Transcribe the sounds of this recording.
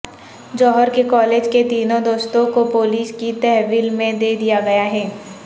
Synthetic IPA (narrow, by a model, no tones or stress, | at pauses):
d͡ʒɔːɦəɾkekɔːleːd͡ʒket̪iːnõd̪oːst̪õkopoːliːskit̪ɛɦʋiːlmẽd̪eːd̪ijaɡɐjaɦɛː